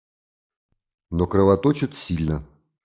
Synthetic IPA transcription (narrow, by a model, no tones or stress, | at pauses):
nokɾɨvat̪ot͡ɕɪt̪sʲilʲnə